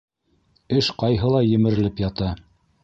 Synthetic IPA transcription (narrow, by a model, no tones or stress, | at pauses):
ɘʃqɑjɦɤlˠɑjɘ̆mɘ̆ɾɘ̆lɘpjɑt̪ɑ